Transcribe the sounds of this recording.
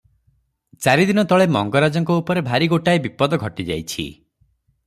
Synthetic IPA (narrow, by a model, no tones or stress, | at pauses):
t͡ʃaɾid̪inɔt̪ɔɭemɔŋɡɔɾad͡ʒɔŋkɔupɔɾebʱaɾiɡoʈaebipɔd̪ɔɡʱɔʈid͡ʒa̰jt͡ʃʰḭ